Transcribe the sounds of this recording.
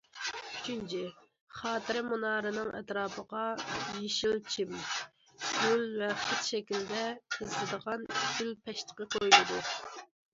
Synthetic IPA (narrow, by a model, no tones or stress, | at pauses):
yt͡ʃʰynt͡ʃʰi | χɑːt̪ʰɨɾɪmunɑːɾɨnɨŋɛ̰t̪ɾɑːpəʁɑjeʃilˠt͡ʃʰim | ɡ̥ʲylvɛχət̪ʃɛkʲild̪ɛɨzlɨd̪əʁɑnikʲylpʰɛʃt̪ʰə̥qəqʰojlɪd̪u